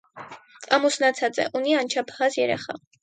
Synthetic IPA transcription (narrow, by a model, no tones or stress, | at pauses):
ɑmusnɑt͡sʰɑt͡sɛ̰ʔuniɑnt͡ʃʰɑpʰhɑzjɛɾɛχɑ̰